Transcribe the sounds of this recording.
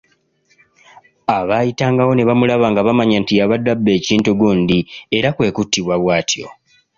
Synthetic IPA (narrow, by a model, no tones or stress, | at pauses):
aβaːjitaːŋɡawo̞ne̞βamulaβaːŋɡaβamaɲantijaβadːabːe̞ːciːntuɡuːnd̪ie̞ɾakwe̞ːkutːiβwaβwaːtʰjo̞̰